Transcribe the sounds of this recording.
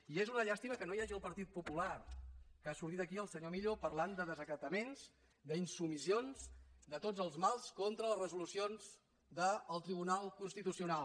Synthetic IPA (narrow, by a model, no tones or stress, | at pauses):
iezunəʎast̪iməkənojaʒiəlˠpəɾt̪it̪̚pupularkəasuɾt̪it̪əkiəlˠsəɲomiʎopəɾland̪əðəzəkət̪əmenz | d̪əinsumisionzd̪ət̪od͡zəlˠzmalˠskont̪ɾələzrəzulusionz | d̪əːlˠt̪ɾiβ̞unalˠkunst̪it̪usiunalˠ